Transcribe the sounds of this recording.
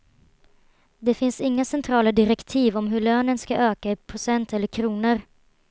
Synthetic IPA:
d̪ɛfɪnsɪŋːasɛnt̪ʰɾɑːlad̪ɪɾɛkt̪ʰiːvɔmɦɵɭøːnənskaʔøːkaɪpʰɾʊsɛnt̪ɛlːəɾkʰɾuːnəɾ

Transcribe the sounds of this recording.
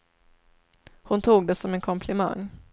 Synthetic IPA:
hʊnt̪ʰuːɡ̚d̪ɛsɔmɛnkʰɔmpʰlɪma̰ŋː

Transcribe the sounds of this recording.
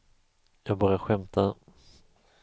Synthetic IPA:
jɑːɡ̚bɑːɾjaɧɛmt̪ʰa

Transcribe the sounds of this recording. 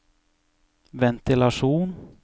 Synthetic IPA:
vɛnt̪ɪlaʂuːn

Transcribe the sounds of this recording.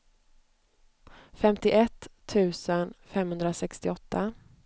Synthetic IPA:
fɛmt̪ɪʔɛt̪ʰːʉ̟ːsənfɛmhɵnd̪ɾasɛkst̪ɪɔt̪ʰːa

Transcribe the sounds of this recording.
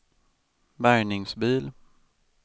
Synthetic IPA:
bæɾɳɪŋsbiːl

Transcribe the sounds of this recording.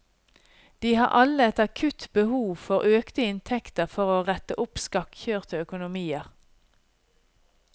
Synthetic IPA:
d̪̥iːhɑ̰ːʔɑləɛt̪ɑkʰʉt̪bəhuːʋfɔʁʔøːkt̪əɪnt̪ʰɛkt̪əʁfɔʁoːʁɛt̪ə̰ʔʊpskɑkçøːʁt̪əœkʊnʊmiːəʁ

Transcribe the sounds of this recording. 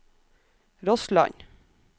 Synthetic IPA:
ɾɔslɑ̰ɲ

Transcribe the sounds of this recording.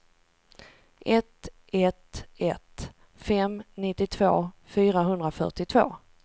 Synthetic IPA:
ʔɛt̪ | ɛt̪ɛt̪ | fɛmnɪt̪ːɪt̪ʰvo̰ːfyːɾaɦɵnd̪ɾafœ̰ʈɪt̪ʰvo̰ː

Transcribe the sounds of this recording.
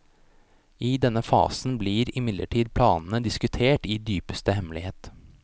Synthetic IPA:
iːd̪ɛnːəfɑ̰ːsn̩bliːɾɪmɪd̪lʔə̰ʈʰiːd̪̚pʰlɑːnn̩əd̪ɪskʉt̪ʰeːʈiːd̪yːpə̥st̪əhɛmlɪheːt̪

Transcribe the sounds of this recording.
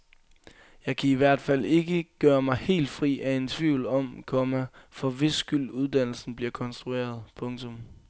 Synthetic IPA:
jɑ̈ɪkʰæiʋæɐ̰d̥fæl̰e̝ɡ̥əɡ̥ɶːɐmɑ̈ɪhe̝̰ːld̥fʁḭːæe̝nt͡sʰʋiʊl̩ɒ̽mkʰɒ̽mæfɒ̽ʋe̝sːɡ̥yl̰uð̞ˠd̥æn̰l̩sn̩b̥liɐkʰɒ̽nsd̥ʁue̝̰ːɐð̞ˠpʰɔ̽ŋt͡sʰɔm

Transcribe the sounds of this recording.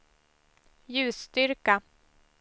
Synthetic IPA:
jʉ̟ːst̪ʏɾka

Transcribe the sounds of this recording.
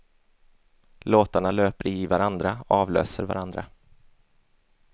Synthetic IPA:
loːt̪aɳaløːpəɾɪvaɾand̪ɾaɔɑːvlø̰ːsəɾva̰ɾand̪ɾa̰

